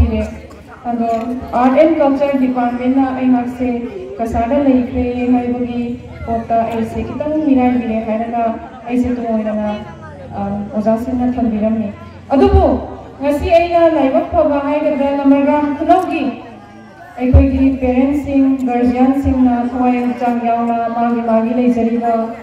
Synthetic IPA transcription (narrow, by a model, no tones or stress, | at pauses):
iɾe | ɐnd̪oaɾʈenkɔk̚t͡ʃɐɾdipaɾʈmentːɐʔɐjmaksekɐsadɐlɐjkʰɾeːɦajbɐɡi | pɔk̚tɐɐjsekitɐŋniɾajbiɾeɦajɾɐɡɐː | jsetuŋojnɐŋɐ | ɔzasiŋnɐtʰɐŋbiɾɐmni | ɐd̪ubu | ŋɐsiɐjnɐlajbɐk̚pʰɐbɐɦajɡɐd̪ɐlɐmɐɾɡamkʰunɐwɡi | ɐjkʰojɡipeɾentsiŋɡɐɾd͡ʒijansiŋnɐtʰwajt͡ʃaŋjawnɐmaɡimaɡilɐjd͡ʒɐɾibɐ